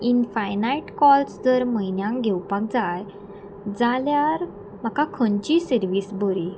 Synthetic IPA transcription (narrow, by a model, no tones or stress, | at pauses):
infajnaiʈkɔlsd͡zəɾməjnjãŋɡʱɛwpak̚d͡zaj | d͡zaljaɾ | m̤akakʰənt͡ɕisəɾʋiːsbəɾi